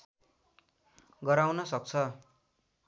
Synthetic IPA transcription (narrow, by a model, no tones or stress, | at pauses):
ɡʌɾawnʌsʌk̚t͡sʰʌ